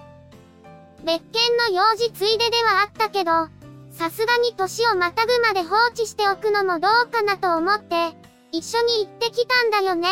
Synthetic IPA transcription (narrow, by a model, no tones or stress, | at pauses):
be̞kːẽ̞nːo̞jo̞ːʑit͡sɨid̪e̞d̪e̞β̞aat̪ːake̞d̪o̞sasɨɡaɲ̟it̪o̞ɕio̞mat̪aɡɯ̟mad̪e̞ɦo̞ːt͡ɕiɕi̥t̪e̞okɯ̟no̞mo̞d̪o̞ːkanat̪o̞ːmo̞t̪ːe̞ | iɕːo̞ɲ̟iːt̪ːe̞kʲit̪ãnd̪ajo̞ne̞